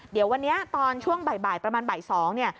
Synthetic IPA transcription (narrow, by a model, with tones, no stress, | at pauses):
di˨˩˦əwa˧nːi˦˥ɐt̪ɔː˧nt͡ɕʰu˥˩əŋba˨˩jbaː˨˩j̪̚pɾa˧maː˧nbaː˨˩jsɔː˩˦ŋni˥˩ɐ